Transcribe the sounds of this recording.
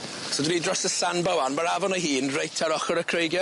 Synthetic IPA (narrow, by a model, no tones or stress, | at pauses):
sodwinidrɔsəsanbəwanmaɾavɔnəɦiːnrejtʰaɾɔχɔɾəkʰrejɡjɔ